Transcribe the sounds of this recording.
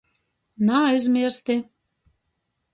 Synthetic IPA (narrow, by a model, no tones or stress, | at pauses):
najzmʲiɾst̪i